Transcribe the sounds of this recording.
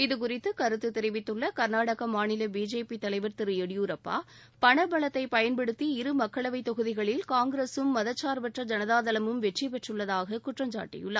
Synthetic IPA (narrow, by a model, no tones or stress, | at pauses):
ɪðɯk̬ʊrɪt̪ːɯkɐɾɯt̪ːɯt̪ːɪɾɪʋɪt̪ːɯɭːɐkɐɾnaːɽɐɣɐmaːnɪlɐbiːd͡ʒeːpit̪ɐlɐɪʋɐɾt̪ɪɾɯjɛɽjuːɾɐpːa̰ː | pɐɳɐbɐɭɐt̪ːɐɪpɐjɐnpɛɽɯt̪ːiɪɾɯmɐkːɐɭɐʋɐɪt̪ːɔɣɯðɪɣɐɭɪlkaːŋɡɾeːsɯmːɐðɐt͡ʃːaːɾbɐʈrɐd͡ʒɐnɐðaːðɐlɐmɯmʋɛʈrip̬ɛʈrɯɭːɐðaːɣɐkʊʈrɐmd͡ʒa̰ːʈːɪ̰jɯ̰ɭːɐ